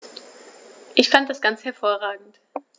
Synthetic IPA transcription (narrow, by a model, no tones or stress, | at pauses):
ʔɪçfant̚d̥asɡ̥ant͡shɛɐfoːɐʁaːɡŋ̩t